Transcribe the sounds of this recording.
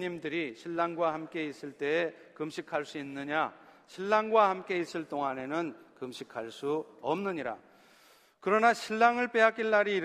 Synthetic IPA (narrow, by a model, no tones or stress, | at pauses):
ɲimdɯɾiɕʰiɭːaŋɡwahamk͈e̞is͈ɯɭt͈e̞ːkɯmɕʰikʰaɭs͈uinːɯɲa | ɕʰiɭːaŋɡwahamk͈e̞is͈ɯɭt͈oŋane̞nɯnkɯmɕʰikʰaɭs͈uʌmnɯɲiɾa̰ | kɯɾʌnaɕʰiɭːaŋɯɭp͈e̞ɦak͈iɭːaɾiː